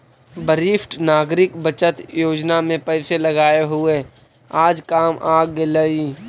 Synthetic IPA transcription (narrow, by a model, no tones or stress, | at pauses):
bəɾɪfʈnaːɡɾɪkbət͡ʃət̪joːd͡ʒnamẽpɛɪseləɡaːeɦʊe | aːd͡ʒkaːmʔaːɡeləiː